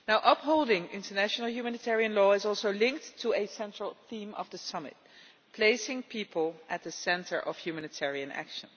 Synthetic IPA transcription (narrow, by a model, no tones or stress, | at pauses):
naʊʔʌpɦoʊlˠdɪ̃ŋɪ̰̃ntə˞næʃnəl̩ˠjumænɨtʰɛɹiɨ̃nlɔːɪzɔlˠsoʊlɪ̃ŋk̚tʰːəɨsɛ̃ntɹ̥əlˠθĩmʔʌ̰vðəsʌmɨ̰t̚ | pʰl̥eɪsɪ̃ŋpʰipʰəlˠʔɨt̪̚ðəsɛ̃ntʰə˞ʔʌv̥jumænɨtʰɛɹiɨ̃næ̰kʃə̃n